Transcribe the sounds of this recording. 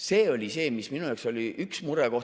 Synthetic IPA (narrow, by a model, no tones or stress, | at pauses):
se̞ːo̞lʲise̞ːmisminujɑːkso̞lʲiʔyksmuɾeko̞h